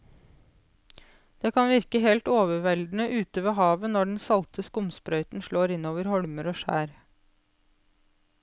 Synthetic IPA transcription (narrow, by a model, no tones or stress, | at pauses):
d̪̥eːkʰɑnʋɪɾkəhɛlt̪oːʋəʋɛld̪n̩əʔʉːt̪əʋeːhɑːʋənɔɖɳ̩sɑlt̪ʰəskʊmspɾœʏt̪n̩ʃɭoːɾɪnoːʋəɾhɔɽməɾoːʃæ̰ːɾ